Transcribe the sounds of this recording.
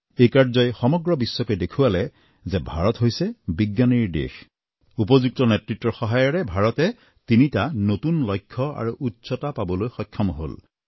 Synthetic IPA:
ejkaɹzɔjxɔmɔɡɹɔbisːɔkɔdekʰuwalɛ | zɛbʱa̰ɹɔtɦojsɛbiɡjaniɹdḛx | upɔzuk̚tɔnɛtɹitːɔxɔɦajɔɹɛbʱaɹɔtɛ | tinitanotunlɔjkʰːɔa̰ɹuʔutːsɔtapabɔlojxɔkʰːɔmɔɦo̰l

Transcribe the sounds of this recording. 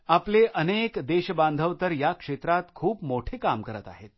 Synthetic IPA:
apleʔənekd̪eɕəbãnd̪ʱəʋt̪əɾjakʂet̪ɾat̪kʰuːpmoʈʰekamkəɾət̪a̰ɦet̪̚

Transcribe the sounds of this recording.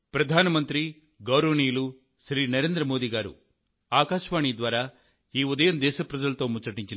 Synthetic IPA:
pɾɐd̪ʱaːnɐmɐnt̪ɾi | ɡɐwɾoːnijlu | ʃɾiːnɐɾe̞ːnd̪ɾɐmoːd̪iɡaːɾṵ | aːkaːʃʋaːɳid̪ʋaːɾaː | iːud̪ɐjɐmd̪ɛːʃɐpɾɐd͡ʒɐlɐt̪o̞ːmut͡ʃɐʈiɲt͡ʃin

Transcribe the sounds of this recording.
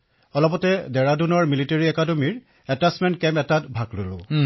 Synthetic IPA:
ɔlɔpɔtɛdɛɹadunɔɹmiliteɹiɛkadomiɹ | ɛtasmɛntkɛmpɛtatbʱaɡlolʊ̰̃

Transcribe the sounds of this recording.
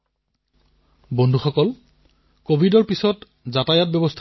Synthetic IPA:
bɔndʱuxɔkɔl | kobʱidɔɹpisɔt | zatajat̚bɛbɔstʰ

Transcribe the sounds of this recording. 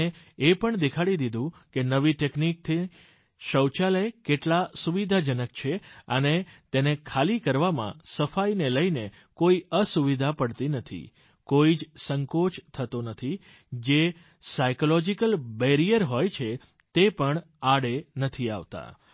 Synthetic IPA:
e | epəɳd̪ekʰaɽid̪id̪ʱũkenəʋiʈeknik̚t̪ʰi | ʃəwt͡ʃaləjkeʈlasuʋid̪ʱad͡ʒənəkt͡ʃʰeənet̪enekʰalikəɾʋamã̰səfajneləine | koiəsuʋid̪ʱapəɽt̪inət̪ʰḭ | koid͡ʒsəŋkot͡ʃʰt̪ʰət̪onət̪ʰi | d͡ʒe | sajkolɔd͡ʒikəlbeɾijəɾɦojt͡ʃʰe | t̪epəɳ | aɽenət̪ʰia̰ʋt̪a̰

